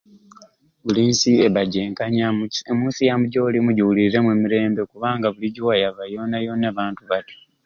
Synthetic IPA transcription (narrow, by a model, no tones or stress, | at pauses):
βuliːnsieβaɟeːŋkaɲaemuːnsijamuɟolimuɟiwuliɾe̞mweːmiɾe̞ːmbe̞kuβaːŋɡaβuliɟiwajaβajo̞ːnajo̞ːnaːβaːntuβato̥